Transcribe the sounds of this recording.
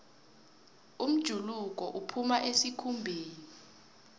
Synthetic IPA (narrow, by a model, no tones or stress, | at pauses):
um̩d̥ʒ̥ʱuluk̬ʼɔʔupʰumaʔesikʰumbʱiːni